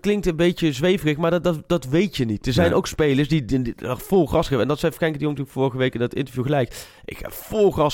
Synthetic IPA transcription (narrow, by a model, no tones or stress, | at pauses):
klɪŋktənbejt͡ʃəzʋejvərəxmaːɹddɑtʋejtjənitd̥əɹzɛjnʔowkspejləɹsdifolˠxɑsɛbəɛ̰ndɑtsɛjfkɛjŋkədijoŋtyːəkfʊːɹəɣəʋejkɪndɑtɪ̰ntəvjuɣəlɛjk | ʔɪ̰kxa̰ːv̥ʊlˠχɑs